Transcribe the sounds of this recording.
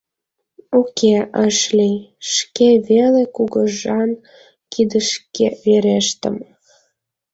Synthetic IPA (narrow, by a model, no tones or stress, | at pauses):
ukʰeʔəʃliʃkeβelekuɣəʒɑn | kid̪əʃkeβeɾeʃt̪ə̰m